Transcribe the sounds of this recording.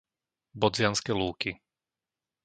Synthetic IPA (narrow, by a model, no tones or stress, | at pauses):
bɔd͡zɪanskɛluːki